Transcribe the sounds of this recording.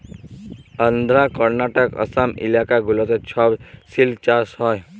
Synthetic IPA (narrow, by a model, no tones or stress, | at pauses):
ənd̪ʱɾakəɾnaʈəkə̰samḭlakaɡulɔt̪et͡ɕʰɔbsilt͡ʃasɦɔj